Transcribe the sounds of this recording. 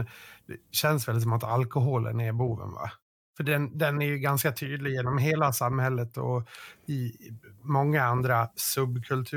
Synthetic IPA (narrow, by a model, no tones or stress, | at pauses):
d̪̥ɛɕɛns̬vɛls̬ɔmat̪ʰalkɔɦolə̰næɾbuːvə̰nva̰ | fœɖɛnd̪ɛnæɾjɵɡanskat̪ʰyːd̪lɪɡjeːnɔmɦeːlasamhɛlːət̪ɔ̰ɪmɔŋːaand̪ɾasɵbːkʰɵlt̪ʰʉ̟ː